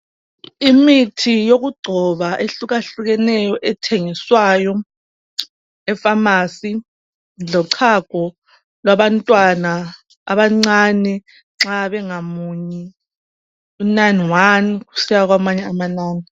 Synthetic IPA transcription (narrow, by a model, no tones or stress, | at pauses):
imitʰijoɣuɡ͡ǀʱɔβaʔeɬuɣaɬuɣ̬ɛnɛjɔʔɛtʰeŋiswaːjɔ | ɛfamaːsi | lɔǀʰaɡ̥ʱɔ | lwaβantʼwana | a̰βaŋ͡ǀanɛ | ŋ͡ǁaβɛŋamuɲi | unanwanɣusijaɣ̬wamaɲɛamanaːni